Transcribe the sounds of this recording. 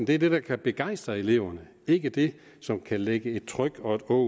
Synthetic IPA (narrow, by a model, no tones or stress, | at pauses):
nd̥e̝æɐd̥e̝d̥ɑ̈kʰæb̥e̝ɡ̥ɑ̈ɪ̰sd̥ʁɐe̝le̝ʊ̰ɐnə | e̝ɡ̥əd̥e̝ | sɒ̽mkʰæleɡ̥əe̝d̥̚t͡sʰʁœɡ̥ɒ̽e̝d̥ɔ